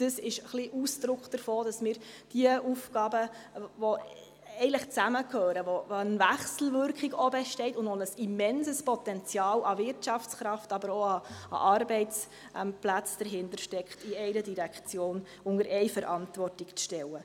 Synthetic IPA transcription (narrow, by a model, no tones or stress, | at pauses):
d̥əsɪʃχliʔusd̥̪ɾʊkχd̥əɾfoːd̥ɑsmɪːɾd̥iəʔufɡ̥ɑːbəvɔ | ɛɪnləχt͡sæməkʰhøːɾəʋoənvæχsl̩ʋʏɾkχiɡɔbɛʃtɛɪtʊndonəsimɛnsəspɔt̪ɛnt͡sjɑːlɑvɪɾtt͡ʃɑft͡sχɾɑftɑbəɾoɑɑ̰ʔɑrbɛɪt͡s | ʔɛmplæt͡sd̥əɾɦɪndəɾʃtɛkχtiɛɪɾədiɾækχt͡sjoːn | ʊŋəɾɛɪjfəɾɑntvɔrtɪkt͡sʃtɛlə